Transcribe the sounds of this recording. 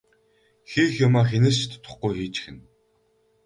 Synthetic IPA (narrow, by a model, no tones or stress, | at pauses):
xiːxjʊmaːx̬enɘ̆st͡ɕt̪ʰt̪ʰːʊ̥χɡujxiːt͡ɕxɘ̆n